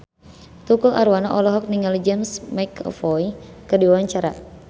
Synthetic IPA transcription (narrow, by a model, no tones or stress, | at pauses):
t̪ukulʔa̰ɾuwanaʔɔlɔɦɔk̚niŋalid͡ʒɛmsmajkʰɔ̰fɔjkɨrdiwawaɲt͡ʃaɾa̰